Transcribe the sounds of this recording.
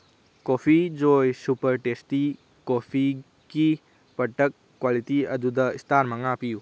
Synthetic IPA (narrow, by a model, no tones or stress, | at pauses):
kopʰid͡ʒojsupɐɾʈesti | kopʰi | ɡ̥i | pɐtːɐkːwalitiɐdudɐistaɾmɐŋapiju